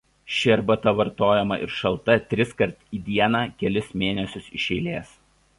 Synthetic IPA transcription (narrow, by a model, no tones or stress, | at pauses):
ʃʲɪɐɾbɐt̪ɐʋɐɾt̪oːjɛmɐʔɪ̰ɾʃɐlˠt̪ɐt̪ʲɾʲɪskɐɾt̪iːd̪ʲiɛnɑːkʲɛlʲɪsmʲeːnʲɛsʲʊsɪʃʲɛɪlʲeːs